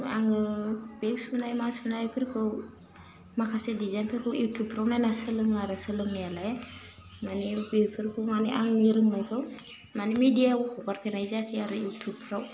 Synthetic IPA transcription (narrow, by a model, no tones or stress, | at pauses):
aŋɯbeɡsunajmasunajpʰiɾkʰɯw | makʰasedizanpʰiɾkʰɯwjutʰubpʰɾawnajnasɯlɯŋaɾasɯlɯŋjalaj | manibeɡpʰiɾkʰumaniʔaŋniɾɯŋnajkʰɯw | manimidijawɔkʰɔɡaɾkʰenajzakʰiaɾɯjutʰub̚pʰɾaw